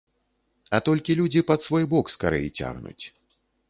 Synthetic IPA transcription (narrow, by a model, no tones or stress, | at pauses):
ɐt̪ɔlʲkʲilʲud͡zʲipɐt̪svɔjbɔkskaɾɛ̰jit͡sʲa̰ɣnṵt͡sʲ